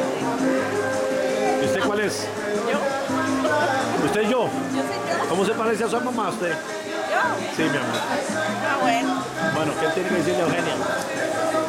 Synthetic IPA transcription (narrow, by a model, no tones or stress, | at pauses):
iust̪ekwales | o | ust̪eʒo | komos̬epaɾes̬ias̬uamãmaust̪e | simiama̰awen | bwenokeelt̪jenekeðes̬iɾd̪eawxenja